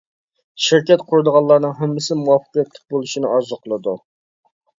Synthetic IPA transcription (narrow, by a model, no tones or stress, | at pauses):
ʃɪɾkʲɛt̪qʰʊɾɨd̪əʁɑlˠːɑɾnɨŋɦæmːɪsɪmuwɑfə̥qjɛt̪lɪ̥k̚ʲbolˠuʃinɪʔɑɾzʊqʰəlˠɨd̪u